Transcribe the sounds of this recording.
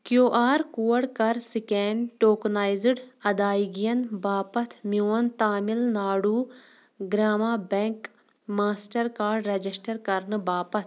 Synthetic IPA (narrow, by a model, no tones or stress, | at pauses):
kjoːʔaːɾkuːɐɽkɐɾsikɛːnʈoːknaːjzɪɖɐd̪aːiɡijɐnbaːpɐt̪ʰmjuːɐnt̪aːmɪlnaːɽuː | ɡɾaːmaːbɛ̃ŋk | maːsʈɐɾkaːɾɖɾɐd͡ʒisʈɐɾkɐɾnɨbaːpɐt̪ʰ